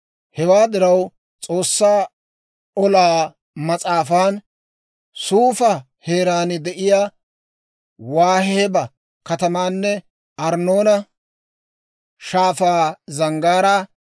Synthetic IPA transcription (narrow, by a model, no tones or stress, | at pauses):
hɛwaːd̪ɪɾɐw | t͡sʼo̞ːsːaː | ɔlaː | mɐt͡sʼaːfaːn | suːfɐ | he̞ːɾaːnɪd̪ɛʔɪjaː | waːheːbɐ | kɐt̪ɐmaːnːɛ | ʔɐɾno̞ːnɐ | ʃaːfaːzɐŋɡaːɾa